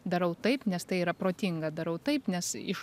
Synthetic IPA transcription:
d̪ɐɾɐʊt̪ɐɪpnʲɛst̪ɐɪiːɾɐpɾoːt̪ʲɪŋɡɐd̪ɐɾɐʊt̪ɐɪpnʲɛsɪ̰ʃ

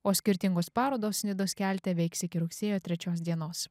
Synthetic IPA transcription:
oːsʲkʲɪɾʲt̪ʲɪŋɡoːspɑːɾoːd̪oːsːʲnʲɪd̪oːskʲæˑlʲt̪ʲɛʋʲɛɪksɪkʲɪɾʊksʲeːjoːt̪ʲɾʲɛt͡ʃʲoːs̬d̪ʲiɛnoːs

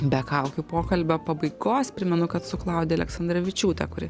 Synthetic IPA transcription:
bʲɛkɐʊkʲupoːkɐlʲbʲɐpɐbɐɪɡoːspʲɾʲɪmʲɛnʊkɐt̪sʊklˠɐˑʊd̪ʲeːɐlʲɛksɐnd̪ɾɐʋʲɪt͡ʃʲuːt̪ʲɛkʊɾʲɪ

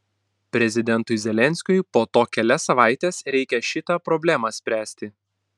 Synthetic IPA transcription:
pʲɾʲɛzʲɪd̪ʲɛnt̪ʊɪzʲɛlʲɛnʲsʲkʲʊjpoːt̪oːkʲɛlʲɛsɐʋɑˑɪt̪ʲeːsɾʲɛɪkʲɛʃʲɪt̪ɑˑpɾɔbʲlʲæmɑsʲpʲɾʲæːsʲt̪ʲɪ

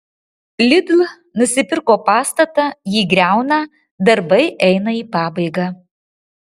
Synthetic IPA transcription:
lʲɪd̪ʲlˠ | nʊsʲɪpʲɪɾkoːpɑːst̪ɐt̪ɐjiːɡɾʲæˑʊnɐ | d̪ɐɾbɐɪʔɛɪnɐiːpɑːbɐɪɡɑː

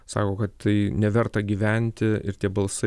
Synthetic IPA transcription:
sɑ̰ːkoːkɐt̪t̪ɐɪnʲɛʋʲɛɾt̪ɐɡʲiːʋʲænʲt̪ʲɪɪ̰ɾt̪ʲiɛbɐlˠsɐ

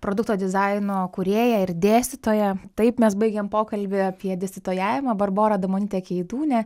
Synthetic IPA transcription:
pɾoːd̪ʊk̚t̪oːd̪ʲɪzɐɪnoːkʊɾʲeːjɛɪɾd̪ʲeːsʲt̪ʲɪt̪oːjɛt̪ɐɪpmʲɛsbɐɪɡʲeːmpoːkɐlʲbʲɪɐpʲiɛd̪ʲɪsʲt̪ʲɪt̪oːjæːʋʲɪmɐːbɐrboːɾɐːd̪ɐmoːnʲiːt̪ʲeːkʲɛɪd̪uːnʲɛ

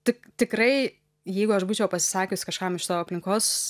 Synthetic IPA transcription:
t̪ʲɪkt̪ʲɪkɾɐɪ | jɛɪɡʊɐʃbuːt͡ʃʲɛʊpɐsʲɪ̥sɑːkʲʊsʲkɐʃkɑmɪʃʲɪ̥t̪oːɐpʲlʲɪŋkoːs

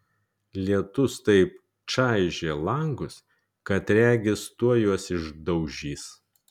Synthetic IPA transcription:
lʲiɛt̪ʊst̪ɐɪp̚ | t͡ʃɑˑɪʒʲeːlˠɐŋɡʊs | kɐt̪ɾʲæːɡʲɪst̪uɔjuɔsɪʒd̪ɐʊʒʲiːs

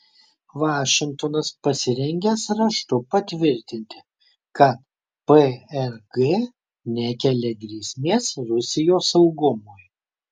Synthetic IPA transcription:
ʋɑːʃʲɪŋk̚t̪oːnɐspɐsʲɪɾʲɛŋʲɡʲeːsɾɐʃt̪ʊpɐt̪ʲʋʲɪɾʲt̪ʲɪnʲt̪ʲɪ̥ | kɐt̪ | pəɛɾɡe | nʲɛkʲɛlʲɛɡɾʲiːsʲmʲeːsɾʊsʲɪjoːsɐʊɡʊmoːj

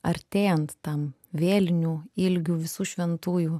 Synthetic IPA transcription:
ɐɾʲt̪ʲeːjɛnt̪ːɐm | ʋʲeːlʲnʲuːɪlʲɡʲuːʋʲɪsuːʃʲʋʲɛnt̪uːjuː

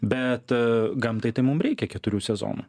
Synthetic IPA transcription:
bʲɛt̪ɡɐmt̪ɐɪt̪ɐɪmʊmɾʲɛɪkʲɛkʲɛt̪ʊɾʲuːsʲɛzo̰ːnṵː

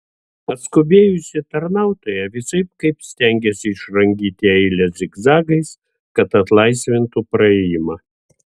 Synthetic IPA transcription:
ɐt̪skʊbʲeːjʊsʲɪt̪ɐɾnɑˑʊt̪oːjɛʋʲɪsɐɪp̚kɐɪpsʲt̪ʲɛŋʲɡʲɛsʲɪɪʃɾɐŋʲɡʲiːt̪ʲɪɛɪlʲɛsɪɡzɑːɡɐɪs | kɐt̪ɐt̪lˠɐɪsʲʋʲɪnt̪upɾɐɛjɪmɐ

